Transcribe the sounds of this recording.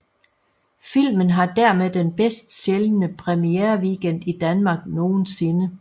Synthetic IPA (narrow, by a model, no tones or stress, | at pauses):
fil̰mən̩ɦɑ̈d̥æɐmeðˠd̥enb̥esd̥ɕelnəpʰʁɛmieːɐʋiɡ̥en̰d̥id̥ænmɑ̈ːɡ̥no̝ːn̩se̝nə